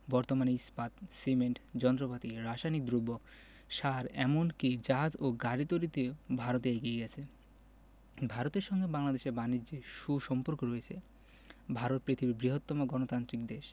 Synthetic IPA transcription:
bɔɾt̪omaneispat̪simeɳʈd͡ʑɔnt̪ɾopat̪iɾaʃajnik̚d̪ɾubːo | ʃaɾɛ̰monkid͡ʑaɦad͡ʑoɡaɾit̪oɾit̪ebʱaɾot̪eeɡieɡɛt͡ɕʰe | bʱaɾot̪eɾʃɔŋɡebaŋlad̪eʃeɾbanid͡ʑeʃuʃɔmpoɾkoɾoet͡ɕʰe | bʱaɾot̪̚pɾit̪ʰibibɾiɦot̪ːɔmoɡɔnot̪ant̪ɾik̚d̪eʃ

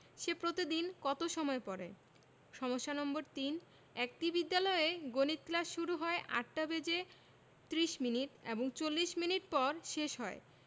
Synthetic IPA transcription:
ʃepɾot̪id̪inkɔt̪oʃɔmɔepɔɾḛ | ʃɔmoʃːanɔmboɾt̪in | ɛk̚ʈibid̪ːalɔeeɡonit̪̚klaʃʃuɾuɦɔeʔa̰ʈʈabed͡ʑe | t̪ɾiʃminiʈḛboŋt͡ɕolːiʃminiʈ̚pɔɾʃeʃɦɔe

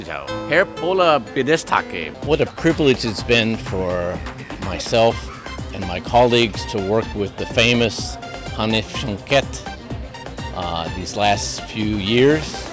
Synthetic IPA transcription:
zo̰hɛɹpʰoləbɪdɛstʰa̰kḛwʌɾɨpʰɹ̥ɪvlɨd͡ʒ̥ɨzbɪ̃nfə˞ | maɪsɛlˠfɨ̃nmaɪkʰɑlˠiɡz̥tʰəwɜ˞kwɪðɨfẽɪ̃mɨs | hɑnɨʃɑ̃ŋkʰɛt | ðizlæstfjʉjɪɹz̥

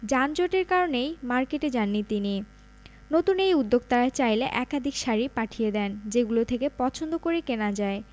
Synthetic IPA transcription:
d͡ʑand͡ʑoʈeɾkaɾonejmaɾkeʈed͡ʑanːit̪ini | not̪unejud̪ːoɡ̚t̪aɾat͡ɕajleʔɛkad̪ʱikʃaɾipaʈʰijed̪ɛnd͡ʑeɡulot̪ʰekepɔt͡ɕʰond̪okoɾekenad͡ʑae

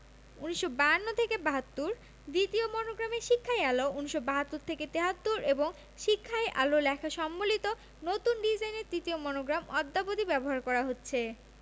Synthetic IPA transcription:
uniʃːobanːot̪ʰekebaɦat̪ːuɾ | d̪it̪iomɔnoɡɾameʃikʰːaealouniʃːobaɦat̪ːuɾt̪ʰeket̪eɦat̪ːuɾeboŋ | ʃikʰːaeʔa̰lolɛkʰaʃɔmːolit̪o | not̪unɖid͡ʑajneɾt̪ɾit̪iomɔnoɡɾamɔd̪ːabod̪ibɛboɦaɾkɔɾaɦotːɕʰe

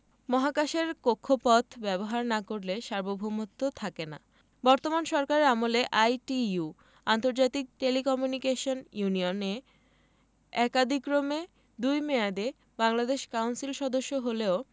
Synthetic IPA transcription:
mɔɦakaʃeɾkokʰːopɔt̪ʰbɛboɦaɾnakoɾleʃaɾbobʱumot̪ːot̪ʰakena̰ | bɔɾt̪omanʃɔɾkaɾeamoleʔajʈiu | ant̪oɾd͡ʑat̪ik̚ʈelikɔmjunikeʃonjunione | ɛkad̪ʱikɾome | d̪ujmead̪e | baŋlad̪eʃkawnsilʃɔd̪oʃːoɦoleo

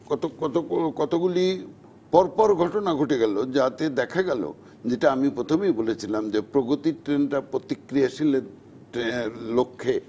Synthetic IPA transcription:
kɔt̪okɔt̪okɔt̪oɡuli | pɔɾpɔɾɡʱɔʈonaɡʱoʈeɡɛlod͡ʑat̪ed̪ɛkʰaɡɛlo̰ | d͡ʑeʈaamipɾot̪ʰomejbolet͡ɕʰilamd͡ʑepɾoɡot̪iʈɾenʈapɾot̪ikɾijaʃile | elokʰːe

